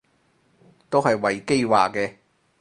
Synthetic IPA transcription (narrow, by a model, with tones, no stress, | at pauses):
t̪o˥whɐ˨jwɐ˨jke˥jwa̰ː˨kkɛː˧